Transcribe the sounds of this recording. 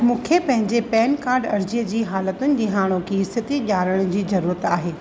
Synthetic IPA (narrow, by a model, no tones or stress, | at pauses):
mũːkʰepɐ̃ɦɪ̃ɲd͡ʑepɛːnkaːɾɖɐɾd͡ʑijəd͡ʑiːɦaːlət̪ʊnɪ̆ɗɪɦaːɽ̃okʰiɪst̪ɪt̪iʄaːɾəɽ̃ʊd͡ʑiːzɐɾuːɾət̪aːɦeː